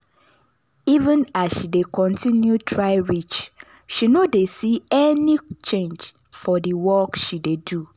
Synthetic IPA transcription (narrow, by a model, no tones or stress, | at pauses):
ivə̃nasʃidekɔ̃ntʰĩnjutʰɹaɪɹit͡ʃ | ʃinodesiɛnit͡ʃẽnd͡ʒ | fɔdiwɔkʃidedu